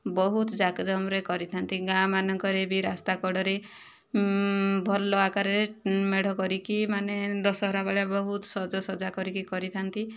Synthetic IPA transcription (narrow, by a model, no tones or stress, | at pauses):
bɔɦut̪d͡ʒakd͡ʒɔmɾekɔɾit̪ʰant̪iɡãmanɔŋkɔɾebiɾast̪akɔɽɔɾe | bʱɔlɔakaɾemeɽ̤ɔkɔɾikimaned̪ɔsɔɦɾabaɭjabɔɦut̪sɔd͡ʒɔsɔd͡ʒakɔɾikikɔɾit̪ʰant̪i